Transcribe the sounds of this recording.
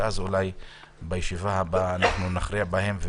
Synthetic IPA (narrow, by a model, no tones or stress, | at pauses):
ʔazulaj | bajeʃivahabaːnaχnunaχɾiabahe̞mve